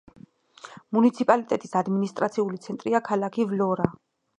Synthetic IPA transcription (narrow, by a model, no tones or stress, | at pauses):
munit̪sʰipʼalit̪ʼɛt̪ʼisad̪minist̪ʼɾat̪sʰiulit̪sʰɛnt̪ʼɾiakʰalakʰivlɔɾa